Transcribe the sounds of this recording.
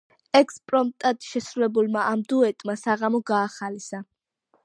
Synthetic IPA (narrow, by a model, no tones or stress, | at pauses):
ɛkspʼɾɔmt̪ʼad̪̥ʃɛsɾulɛbulˠmaʔamd̪uɛt̪ʼmasaʁamɔɡaːχalisa